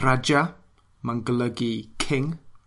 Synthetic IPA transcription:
rad͡ʒa | mə̃ŋɡələɡikʰɪŋ

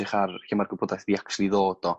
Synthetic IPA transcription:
ɪχarhimarɡʊbʰodaθdiakslˠiðoːd̥ɔ

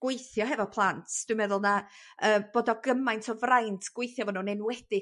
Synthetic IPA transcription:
ɡ̥wejθjɔɦɛvɔpʰlˠantʰd̥wimɛðʊlˠnaəːmb̥oːdɔɡəmajntʰɔvrajntʰɡ̥wejθjɔvɔnunenwɛd̥ɪ

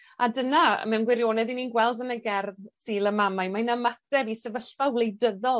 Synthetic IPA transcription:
adəna̰mɛnɡwɪɾjoːnɛðininɡwɛlˠdənəɡɛrðsiːlˠəmamajmanamatɛbisɛvəɬfawlˠejdəðɔ

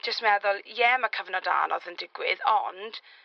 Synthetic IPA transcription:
d͡ʒ̥əstmɛðʊlˠjɛmakʰəvnɔda̰ːnɔ̰ðəndɪɡwɪðɔnd̥

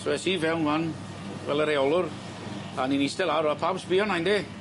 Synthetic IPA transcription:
soɛsivɛwnvan | vɛ̰ləɾejɔlˠʊr | aninistɛlˠaɾapʰawsbiɔnajnde

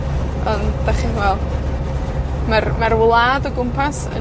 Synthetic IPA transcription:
ɔnd̥aχiwɛlˠ | marmarwlˠaːdɔɡʊmpʰasə̰

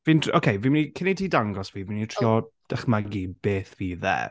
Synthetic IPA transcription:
viːnokʰejviːmnikʰɪnidʰiːdaŋɡɔsviːvinitʰr̥iːɔd̥aχmaɡib̥eːθviːðɛ̰ː

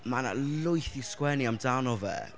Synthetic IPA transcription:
mana̰lʊjθiskwɛniamdanɔvɛ̰

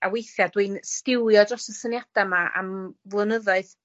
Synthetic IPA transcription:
awejθjadwinstɪwjɔdɔsəsənjad̥amaʔa̰mvlˠənəðɔɨð

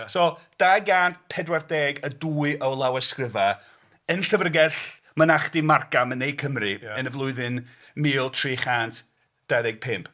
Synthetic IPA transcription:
soːd̥aːɡaːndpʰɛdwardɛːɡəduːɨʔɔwlˠawaskrɪva | ənɬəvrəɡɛɬ | manaχd̥imarkamənːejkʰəmrɨənəvlˠʊɨðɨn | miːlˠtʰriːχantʰ | d̥aðɛɡ̚pʰɪmpʰ

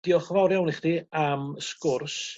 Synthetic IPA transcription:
d̥iːɔχvawɾjawnɪχdiːamskʊrs

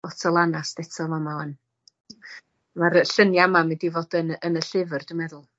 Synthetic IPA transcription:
ɔtʰɔlˠanasd̥ɛtʰɔmamaɔn | marəɬənjamamɪdivoːd̥ənənəɬɪvərd̥əmɛðʊlˠ

